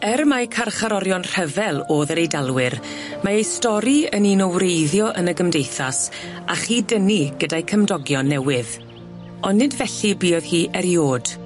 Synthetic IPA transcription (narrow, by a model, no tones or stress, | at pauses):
ɛrmajkʰarχaɾɔɾjɔnr̥ɛvɛlˠoːðəɾejdalˠwɪɾ | maejstɔɾiəniːnɔwrejðjɔʔənəɡəmdejθas | aχiːdəniɡədajkʰəmdɔɡjɔnːɛwɪð | ɔnːɪdvɛɬibiːɔð̥hiːʔɛɾjoːd̥